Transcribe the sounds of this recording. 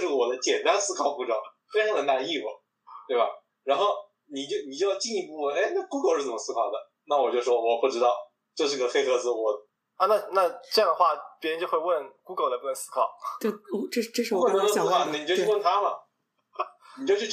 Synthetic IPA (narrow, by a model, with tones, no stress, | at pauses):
ʂɻ̩˥˩wɔ˨˩d̪ə˦t͡ɕjɛ˨˩nt̪a˥nsɹ̩˥kʰɑ˨˩ʊpu˧˥ʈ͡ʂo˥˩˦fe˥ʂ̩˥xə˨˩nt̪a˥˩˧i˥˩fɔ̰˨˩ | t̪we˥˩ɪba˩ | ɻa˧˥nxo˥˩ʊ | ni˨˩t͡ɕjo˥˧ʊni˨˩t͡ɕjjɑ˥˧ʊt͡ɕi˥˧i˧˥pu˧˩wə˥˩ne˥˩ɪna˥˩˧ku˥ko˥˩˦ʂɻ̩˥˩t͡sə˨˩mə˦sɹ̩˥kʰɑ˨˩ʊd̪ə˦ | na˥˩wɔ˨˩t͡ɕjo˥˧ʊʂwɔ˥wɔ˨˩pu˥˩ʈ͡ʂɻ̩˥t̪ɑ˥˧ʊ | t͡ɕɤ˥˧ʊʂɻ̩˥˧˥ɡə˧xe˥˧ɪxɤ˥˧t͡sɹ̩˧˩xwɔ˧˥ | a˥˧na˥˧na˥˧ʈ͡ʂɤ˥˧jɑ˥˩ŋd̪ə˩xwa˥˩pʲjɻnt͡ɕjo˥˧xwe˥˧wə˥˩nku˥ɡo˧˩lə˧˩pu˥˩ə˧˩ŋsɹ̥̩˥kʰɑ˨˩˦ʊ˥ | ʈ͡ʂʈ͡ʂə˥˧˥s̩ʰ˥ɑ˨˩ʊə˧˩ni˨t͡ɕjo˥˧t͡ɕo˥wə˥˩nt̪ʰa˥lə̰˨ | i˨˩t͡ɕjo˥˧ʂ